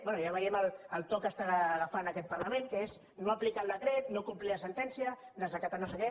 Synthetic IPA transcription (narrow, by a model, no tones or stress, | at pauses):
bwɛnujaβəɾiɛmələlˠt̪okəst̪aɣafanəkɛt̪̚pəɾləmẽŋkəez | noaplikalˠd̪əkɾɛt̪nokumpliəsənt̪ɛnsijəd̪əzβəkat̪anosəkɛ